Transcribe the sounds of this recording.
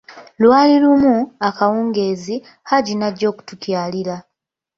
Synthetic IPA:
lwaːlilumuakawuːŋɡe̞ːzi | haɟinaɟːo̞ːku̥tukjaːliɾa

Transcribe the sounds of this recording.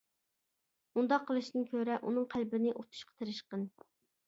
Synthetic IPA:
und̪ɑqʰːəlˠɨʃt̪ɨnkʲʰøɾɛʔunɨŋqʰælbɪnɪʔot̪ʰu̥ʃqʰə̥t̪ʰeɾɪʃqən

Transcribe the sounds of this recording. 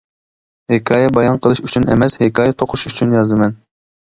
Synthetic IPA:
hekʰɑːjɛbɑjɑnqʰəlˠɨʃyt͡ʃʰynḛmɛshekʰɑːjɛt̪ʰoqʰʊʃyt͡ʃʰynjɑzd̪ɨmɛn

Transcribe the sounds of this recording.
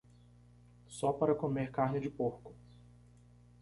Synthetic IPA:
sɔpaɾɐkomeɾkaɾnɪd͡ʒɪpoɾkʊ̥

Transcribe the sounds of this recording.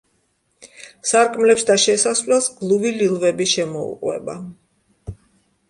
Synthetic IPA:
saɾkʼmlɛpsd̪aʃɛsasvlɛlˠsɡlˠuvililˠvɛbiʃɛmɔṵqʼwɛ̰ba̰

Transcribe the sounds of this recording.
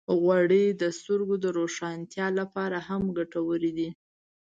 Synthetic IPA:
ɣwaɽed̪əst̪əɾɡod̪əɾoʃɑnt̪jɑlapɑɾahamɡaʈawəɾid̪i

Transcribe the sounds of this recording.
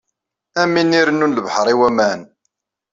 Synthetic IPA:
æminiɾənːunləvħəɾˤiwæmæn

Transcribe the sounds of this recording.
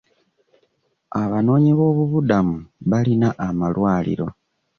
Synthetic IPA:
aβano̞ːɲiβo̞ːβuβudamuβalinaʔamalwaːlḭɾo̞

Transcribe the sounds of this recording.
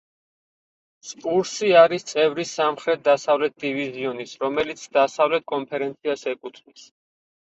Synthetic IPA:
spʼuɾsiaɾist̪sʼɛvɾisːamχɾɛt̪̚ʰd̪asavlɛt̪̚ʰd̪iviziɔnisɾɔmɛlit̪sʰd̪asavlɛt̪̚ʰkʼɔmpʰɛɾɛnt̪sʰiasɛkʼut̪ʰnis

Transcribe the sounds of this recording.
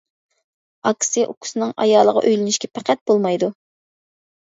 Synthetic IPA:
ɑkʲʰsɪʔukʲʰʊ̥sɨnɨŋɑ̰jɑːlˠəʁɑ̰ʔøjlɪnɪʃkʲʰɛpʰæqʰæt̪̚b̥olˠmɑjd̪u

